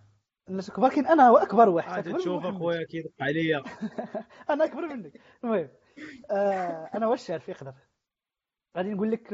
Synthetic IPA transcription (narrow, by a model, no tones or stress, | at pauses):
næʃəkbɑɾˤkænʔænæwæʔækbɑɾˤwaħəæk̪d̪æbɑɾʃufækwæjækit̪ˤːʕlijæ | ʔænæʔækbɑɾˤmənːək | nmʊhəmː | ʔænæwæʃaʕɾfəqd̪əɾˤ | ɣad̪inɡulːək